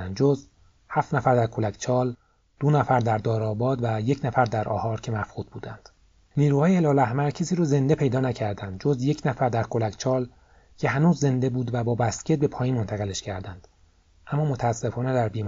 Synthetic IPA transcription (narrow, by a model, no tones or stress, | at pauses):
ænd̪d͡ʒoz | hæft̪næfæɾd̪æɾkʰo̞lækʰt͡ʃʰɒːl | d̪̥onæfæɾd̪æɾd̪ɒːɾɒːbɒːd̪væje̞cʰnæfæɾd̪æɾʔɒ̰ːhɒːɾcʰe̞mæfxuːd̪̥̚buːd̪ænd̪̥ | niːɾuːhɒːjeelɒːlæhmæɾcʰesiːɾoːze̞nd̪e̞pʰe̞jd̪ɒːnæcʰæɾd̪ænd̪̚d͡ʒo̞zje̞cʰnæfæɾd̪æɾkʰo̞lækt͡ʃʰɒːl | cʰe̞ɦænuːzːe̞nd̪e̞buːd̪væbɒːbæscʰet̪̚be̞pʰɒːjiːnmo̞nt̪ʰæɣele̞ʃcʰæɾd̪ænd̪̥ | ʔæmːɒːmot̪ʰæːsːe̞fɒːne̞d̪æɾbiːm